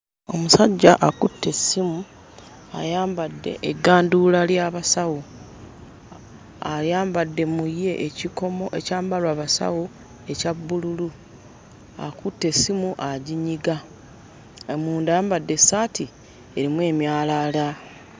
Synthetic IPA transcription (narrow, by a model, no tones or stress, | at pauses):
o̞̰musaɟːaʔakutʰːe̞simu | a̰jaːmbadːe̞̰ʔeɡːaːndulaljaːβasawo | aɾjaːmbadːe̞mujːe̞ʔːciko̞mo̞ʔecaːmbalwaːβasa̰wo | e̞cabːululu | a̰kutːe̞sːimuʔaɟiɲiɡa | muːndajaːmbadːe̞saːtʰi | e̞ɾimwe̞ːmjaːlala